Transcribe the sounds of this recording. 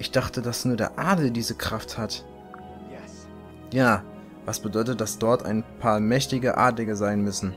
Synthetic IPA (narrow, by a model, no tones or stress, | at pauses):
ʔɪçd̥aχtədasnuːɐdḛːɐʔaɐdl̩diːzəkʁ̥afthat | jaː | vasb̥ədɔʏtət̚d̥asd̥ɔɐtʰa̰ɪnpʰaːɐmɛçtɪɡəʔa̰ɐdlɪɡəzaɪnmʏsn̩